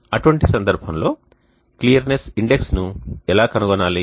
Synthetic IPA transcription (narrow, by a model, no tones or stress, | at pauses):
ɐʈuʋɐɳʈisɐnd̪ɐɾbʱɐmlo̞ː | klijɐɾnesiɳɖeksnuɛlaːkɐnuɡɔnaːli